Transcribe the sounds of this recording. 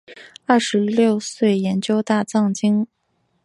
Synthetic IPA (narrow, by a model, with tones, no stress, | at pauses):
ɐ˞˥˩ʂɻ̩˧˥ljo˥˧ʊswe˥˩ɪjɛ˧˥nt͡ɕjo˥ʊt̪a˥˧t͡sɑ˥˩ŋt͡ɕi˥ŋ